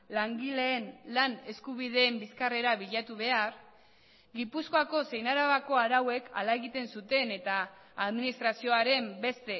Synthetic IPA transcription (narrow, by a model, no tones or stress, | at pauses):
laŋɡile̞ːnlane̞skuβ̞ið̞e̞ːmbiskare̞ɾaβiʎat̪uβe̞aɾ | ɡipusko̞ako̞se̞jnaɾaβako̞aɾawe̞ka̰lae̞ɣit̪e̞nsut̪e̞ne̞t̪aː | ðminist̪ɾasio̞aɾe̞mbe̞st̪e̞